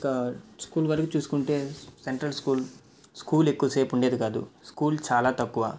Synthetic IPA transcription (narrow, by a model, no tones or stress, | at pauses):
ikɐskuːlɡaːɾikit͡ʃuːsu̥kuɳʈe̞ːseɳʈɾɐlskuːl | skuːlekːuʋɐse̞ːpuɳɖe̞ːd̪ikaːd̪ṵskuːlt͡ʃaːlaːt̪ɐkːuʋa̰ː